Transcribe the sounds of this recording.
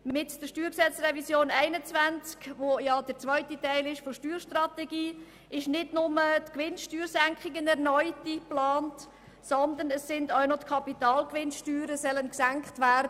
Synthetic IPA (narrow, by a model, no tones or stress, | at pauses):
mmɪtd̥əʃtyːɾksɛt͡srɛvisjoːnæɪnət͡svænt͡skʋojɑd̥əɾt͡sʋœʏtitæɪlɪʃfoʃtyːɾʃtrɑtɛɡiː | ɪʃnɪdnʊmətkʋɪnʃtyːɾsæŋkχɪɡənɛɾnɔʏtiplɑːnt | sɔnd̪ənəsːɪndaʊnotkʰɑpitɑːlkʋɪnʃtyːɾəsɛlənksæŋkχtvæːɾdə